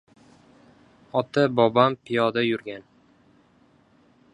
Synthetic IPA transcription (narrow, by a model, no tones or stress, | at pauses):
ɒt̪ʰabɒbampʰɪjɒd̪ajʊɾɡʲan